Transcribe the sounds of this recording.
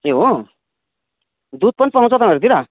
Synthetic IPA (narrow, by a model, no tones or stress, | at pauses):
eɦo | d̪ud̪̚pʌnpaɦãt͡sɔt̪ameɾt̪iɾa